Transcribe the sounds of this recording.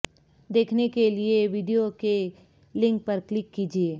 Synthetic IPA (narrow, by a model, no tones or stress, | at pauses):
d̪eːkʰnekelieʋiːɖijoke | lɪ̃ŋk̚pɐɾklɪkːiːd͡ʒieː